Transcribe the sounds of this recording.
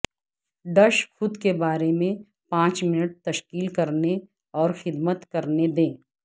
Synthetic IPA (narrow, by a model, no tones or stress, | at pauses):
ɖɐʃxʊd̪kebaːɾemẽ | pãːt͡ʃmɪnəʈ̚t̪ɐʃkiːlkɐɾne | ɔːɾxɪd̪mət̪kɐɾned̪ẽː